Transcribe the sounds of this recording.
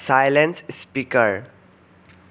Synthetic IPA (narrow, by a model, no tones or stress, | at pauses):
sajlẽnsspikəɾ